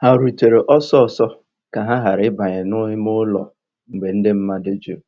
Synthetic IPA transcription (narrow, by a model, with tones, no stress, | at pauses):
ha˨ɾu˨te˨ɾe˨ʔɔ˦sɔ˦˨sɔ˦ | ka˨ɦa˦ɦa˨ɾɪ˦ba˨ɲe˨nʊ˦ɦɪ˦mʊ˦lɔ̰˨ | ŋ͡m̩˨ɡ͡be˨n̩˦dɪ˦m̩˦ma˦dɪ˦d͡ʒṵ˨ɾ